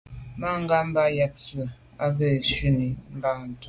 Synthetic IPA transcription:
ma˦ŋ˦ɡa˦m̩˦ba˦ja˦t̚t͡sə˨ | a˦ɣɛ˦˨ʃʉ˦ni˨ŋ˦ɡa˦˨n̩˨tu˨

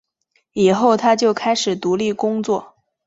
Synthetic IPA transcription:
i˨˩xo˥˩ʊt̪ʰa˥t͡ɕjo˥˩ʊkʰa˥ɪʂɻ̩˨˩t̪u˧˥li˥˩kʊ˥ŋt͡swɔ˥˩

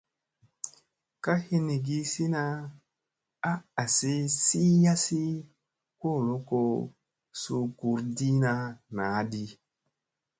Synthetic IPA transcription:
ka˦hi˦ni˨ɡi˦si˦na˦ | a˦a˨si˦si˦ja˦si˦ | ko˦˨lo˦ko˨˦ | su˦ku˧ɾdi˦na˧na˨˦di˦

